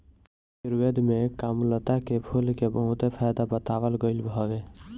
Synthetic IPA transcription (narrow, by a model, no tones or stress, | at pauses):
siɾwed̪mekamlət̪akepʰulkebəɦut̪epʰajd̪abət̪aʋəlɡəɪlbʱɔbe